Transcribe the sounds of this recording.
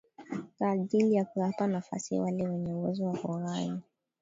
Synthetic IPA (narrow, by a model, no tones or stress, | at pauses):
kaːʄilijakuwapanafa̰sḭwalɛwɛɲɛuwɛzɔwahuɾai